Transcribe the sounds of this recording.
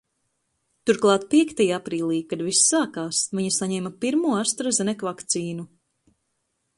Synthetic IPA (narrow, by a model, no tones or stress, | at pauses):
t̪uɾklˠɑːt̪̚piɛkt̪ajaapɾiːlˠiːkad̪visːaːkaːsviɲasaɲɛːmapiɾmuɔast̪ɾazɛnɛkvakt̪siːnu